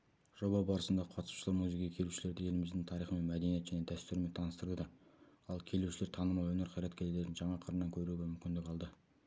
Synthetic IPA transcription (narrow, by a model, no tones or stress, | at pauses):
ʒ̥o̞bɑbɑɾəsənd̪ɑqʰɑt̪ə̥su̥ʃəlˠɑɾmuzikejkʲʰe̞luʃɪle̞ɾd̪ɪje̞lɪmɪzd̪ɪŋt̪ʰɑɾijχəme̞nmæd̪enije̞t̪ʒæne̞d̪æst̪ʏɾme̞nt̪ʰɑnəst̪əɾd̪əd̪ɑ | ɑlˠkʲʰe̞luʃɪleɾt̪ʰɑnəmɑjwɵne̞ɾqʰɑjɾɑt̪kʲʰe̞ld̪eɾd̪ɪnʒɑɴɑqʰəɾənɑŋkʲʰɵɾuɡʲemʏmkʲɪnd̪ɪkʲɑlˠd̪ə